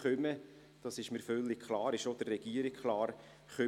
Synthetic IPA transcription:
ʏmə | d̥ɑsɪʃməɾfœlːɪk̚kʰlɑːɾɪʃod̥̪ərːɛɡ̥iəɾikkʰlɑːɾ | χœ

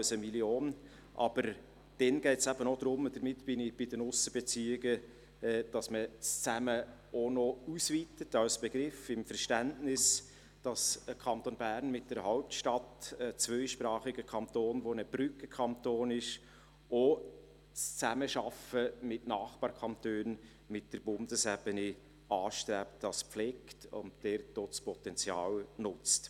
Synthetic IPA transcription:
wsəmiljoːn | ʔɑ̰b̥əɾ | d̥ɛnɡ̥ɛɪtsæbənɔd̪̥ɾʊmd̥əɾmɪtb̥ɪnɪb̥ɪdənʊsəb̥ɛt͡siːɪɡə | d̥ɑsməst͡sæmə | onɔusviːtətɑwsb̥ɛɡ̥ɾɪfɪmfəɾʃtæntnɪs | d̥ɑsəkʰɑnt̪onbæːɾnmɪt̚d̥ɛɾhaʊp̚tʃtɑtət͡svœʏʃpɾɑːχɪɡəkʰɑnt̪oːnʋonəb̥ɾʏkəkʰɑntoːnɪʃ | o | st͡sæməʃɑfəmɪtnɑːχb̥ɑːɾkʰɑntøːn | mɪt̚d̥əɾbʊndəsɛb̥əni | ɑːʃtɾɛptːɑspflɛːktʊ̰ntd̥ɛɾtospɔt̪ɛnt͡sjɑːlnʊt͡st

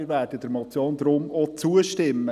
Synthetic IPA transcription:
ɾvæːɾd̥ədəɾmɔt͡sjoːnd̪ɾʊmɔt͡suəʃtɪmːə

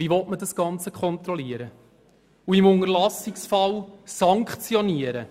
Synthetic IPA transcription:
viʋɔtmədɑsɡ̥ɑnt͡səkʰχɔnt̪ɾɔliəɾə | uimʊŋəɾlɑsɪksfɑlsɑŋkχt͡sjɔniəɾə

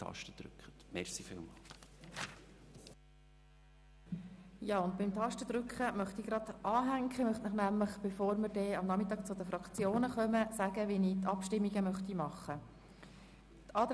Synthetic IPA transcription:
ɑ̰ʃtəd̪ɾʉ̰kχətmɛ̰ɾsifɪ̰ːlˠmɑːl | jɑːʊnd̚bɪmt̪ʰɑʃtəd̪ɾʏkχəmœχt̪iɡ̥ɾɑd̪̥ʔɑːɦæŋkχəmœχt̪nəχnæmləχb̥efoːɾməɾdɛɑmnɑmɪt̪ɑːk̚t͡sʊd̪əfɾɑkt͡sjoːnəχœməsæɡəʋinit̪ɑpʃtɪmːiɡəmœχt̪imɑχːə | t̪ɑːd̪

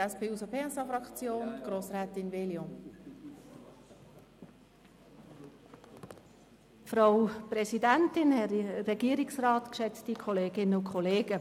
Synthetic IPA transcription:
ɛspeːusəpʰeːɛsɑfɾɑkt͡sjoːnɡ̥ɾoːsɾɛːtɪnveːljo | fɾawpɾɛsidæntɪnhɛirɛɡ̥iəɾɪksrɑːtkʃɛt͡stikʰɔleːɡɪnəʊkʰχɔleːɡ̥ə

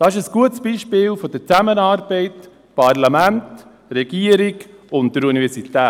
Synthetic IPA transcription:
d̥ɑːɪʃəsɡ̥uətsb̥iːʃpɪːlfɔd̥əɾt͡sæmənɑːɾbɛɪt | pɑɾlamænt | rɛɡ̥iəɾiɡ | ʊntdəɾunivɛsit̪ɛː

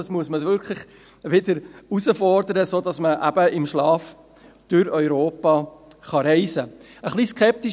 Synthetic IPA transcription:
ɑsmuəsməʋʏɾkʰlɪχ | ʋɪdəɾusəfɔɾd̪əɾəsoːdɑsməʔæb̥əɪmʃlɑːf | d̥ʉɾœʏɾoːpɑːχɑɾɛɪzə | əχliskʰɛp̚t̪i

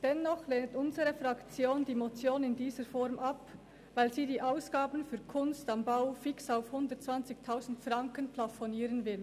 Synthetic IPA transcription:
d̥ɛnːɔχleːntʊnzəʁəfʁakt͡sjoːndiːmot͡sjoːnɪndiːzəfɔɾmʔap | vaɪlziːdiːʔaʊsɡ̥aːbənfyːɐkʰʊnstambaʊfɪksaʊfhʊndətt͡sv̥ant͡sɪçtʰaʊzn̩tfʁaŋkənpʰlafɔniːɾənvɪl

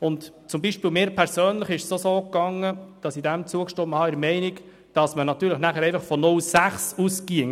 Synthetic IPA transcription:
ʊnt | t͡sʊmbiʃpiːlmɪːɾpʰɛɾsøːnləχɪʃsosoːkɑŋːəd̥ɑsidæmt͡suəkʃtoːməhɑɪɾmɛɪnik | d̥ɑsmənɑt̪ːyːɾləχnæχəɾɛɪfɑχfɔnʊlsæχsuskiəŋ

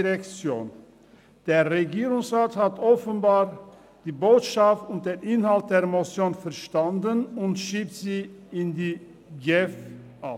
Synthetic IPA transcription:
ʁɛkt͡sjo̰ːn | d̥eːɐʁeɡiːʁʊŋsʁaːthatʰɔfənbaːʁ | d̥iːboːtʃaftʊnt̚d̥eːnʔɪnhalt̚d̥eːɐmot͡sjoːnfɛɐʃtandənʊntʃiːp̚tz̥iːɪndiː | ɡɛf | ʔa

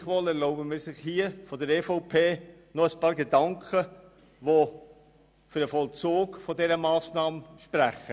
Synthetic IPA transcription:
χʋɔlɛɾloʊbəmɪːɾsɪχhiːəfɔdəɾɛːfoʊpʰeː | nɔəspɑːɾɡedɑŋkχə | ʋo | fʏɾdəfɔlt͡soːɡfɔdɛɾəmɑːsnɑːmʃpɾæχə

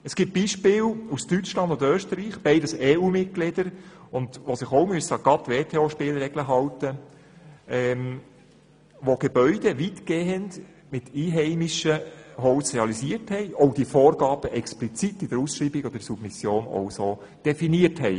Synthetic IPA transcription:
əsɡ̥ip̚b̥iːʃpɪːlustyt͡ʃlɑnd̪ʊndøːʃtəɾiːχb̥ɛɪdəseːuːmɪt̚ɡ̥lɪdəɾʊnd̪ʋosɪχowmyəsɑɡɑt̪ːʋeːt̪ʰeːoʃpɪːlɾɛɡ̥ləɦɑwtə | ɛːm | ʋoɡ̥ebœʏd̥eʋitɡ̥eːənd | mɪtʰiːɦɛɪmiʃəɦɔwsreɑlisiəɾthɛɪʔɔʊd̥ifoːrɡɑːb̥əʔɛksplit͡sitɪd̥əɾusʃriːbɪɡɔd̥əɾsub̥misjoːno̰wsoː | d̥ɛfiniəthɛɪ

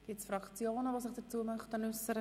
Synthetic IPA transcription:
ɡ̥ɪt͡sfrɑkt͡sjoːnəʋosɪχd̥ət͡suəmœχtənʉsːəɾə

